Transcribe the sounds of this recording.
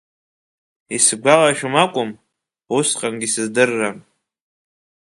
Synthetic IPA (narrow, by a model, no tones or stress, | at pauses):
isɡʷalaʃᶣʊmakʷʼʊm | usqʼamɡʲisɨzdɨrːam